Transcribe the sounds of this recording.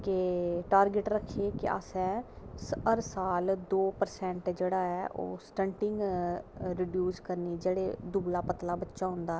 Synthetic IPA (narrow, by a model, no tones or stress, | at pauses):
keʈaːɾɡɪʈɾəkʰːeːkɪ̰a̰sɛ̃ː | səɾsaːld̪oːpəɾsɛ̃ːɳʈd͡ʒeːɽaːɛːʔo̰ːsʈəɳʈɪŋɡ | ɾɪɖjuːskəɾniːd͡ʒeːɽeːd̪uːlaːpət̪laːbətːʃaːɦʊ̃nd̪aː